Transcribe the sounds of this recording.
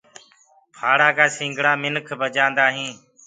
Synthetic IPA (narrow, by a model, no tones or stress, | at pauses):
pʰaːɽaːkaːsĩːŋɡʱɽaːmɪnkʰbəd͡ʒãːnd̪aːɦĩː